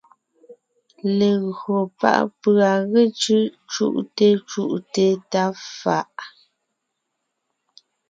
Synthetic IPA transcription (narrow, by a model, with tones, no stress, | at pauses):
le˨ɣɰo˨pa̰˦˨ʔpɰa˨ɣe˦˨t͡ʃʉ˦ʔ | t͡ʃṵ˦˨ʔte˦t͡ʃu˦˨ʔte˦ta˦fa˦˨ʔ